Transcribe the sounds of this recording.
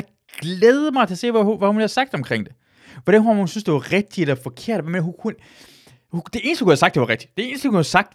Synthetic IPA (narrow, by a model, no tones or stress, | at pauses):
ɡ̥leːð̞ˠəmɑ̈ɪt͡sʰe̝ɐse̝̰ːʋæhuʋæhunhæsɑ̈ɡ̥d̥ɒ̽mkʰʁeŋ̰d̥e̝ | ʋɒɾ̥ænhuahunsynsd̥e̝ʋɑ̈ʁeɡ̥̚d̥ielɐfɒ̽kʰe̝ɐ̰d̥ʋæmenɐɦukʰun | hud̥e̝e̝ːnsə̥hkʰuhæsɑ̈ɡ̥̚d̥e̝ʋɑ̈ʁeɡ̥̚d̥i̥d̥e̝e̝ːnəsd̥əhukuhæsɑ̈ɡ̥̚d̥